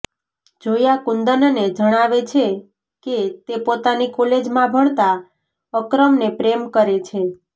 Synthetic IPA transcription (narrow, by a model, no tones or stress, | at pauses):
d͡ʒojakund̪ənned͡ʒəɽ̃aʋet͡ʃʰe | ket̪epot̪anikoled͡ʒmãbʱəɳ̃t̪a | əkɾəmnepɾemkəɾet͡ʃʰe